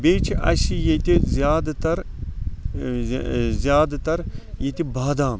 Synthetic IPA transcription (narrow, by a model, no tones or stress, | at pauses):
beːt͡ʃʰiʔɐ̰sijet̪ʲizjaːd̪t̪ɐɾ | zʲjaːd̪t̪ɐɾjet̪ibaːd̪aːm